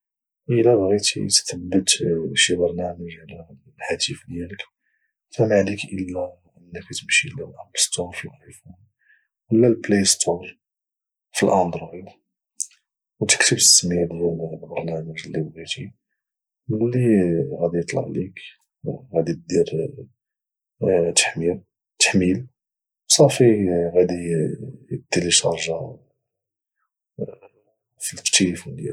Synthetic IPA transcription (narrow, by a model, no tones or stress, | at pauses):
ʔəlæbɣit̪ḭt̪t̪əbːət̪ʃibɑɾˤnæməʒʕlæ | lħæt̪ifd̪jælək | fæmaʕlikʔəlːæ | ʔənːəkæt̪əmʃilælʔæmbst̪oɾfiifu | wəlːælplejst̪ʰoɾ | filʔɑnd̪ɾi | wt̪ə̥kt̪əbsːmid̪wullbɑɾˤnæməʒlːiwɣit̪i | məlːiɣæd̪ijət̪ˤlɑ̰ʕlik | ɣæd̪it̪̚d̪iɾ | t̪ħmiɾ | t̪ə̥ħmil | wsˤɑfiɣæd̪ijəd̪iliʃɑ̰ɾˤʒa | filtt̪ilifunijæ